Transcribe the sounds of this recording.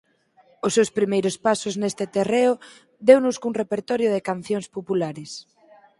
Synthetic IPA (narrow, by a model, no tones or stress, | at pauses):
ʊsːewspɾimejɾʊspasʊznest̪ɪt̪ereʊ | d̪ewnʊskuŋrepeɾt̪ɔɾjʊðɪkan̟θjoŋspopulaɾɪs